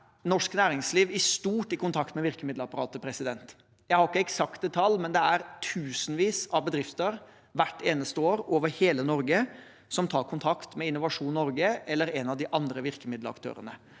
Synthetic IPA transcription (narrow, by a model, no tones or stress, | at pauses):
nɔʂknæːɾɪŋsliːʋɪst̪uːʈɪkʊnt̪ʰɑkt̪mɛʋɪɾkəmɪd̪ləɑpɑɾɑːt̪əpʰɾɛsɪd̪ɛnt̪ | jæɪhɑɾɪkːəɛksɑkt̪d̪ət̪ʰɑlːmɛnd̪ɛæɾt̪ʰʉːsnʋiːsɑʋbəd̪ɾɪft̪əɾ | ʋæʈːeːnəst̪əoːɾoːʋəɾheːlənɔɾɡə | sɔmt̪ʰɑːɾkʰʊnt̪ʰɑkt̪mɛɪnːʊʋɑʂuːnːnɔɾɡəʔɛlːəɾɛnɑʋd̪ɪʔɑnd̪ɾəʋɪɾkəmɪd̪ləɾɑ̰kt̪ʰø̰ːɾə̰nə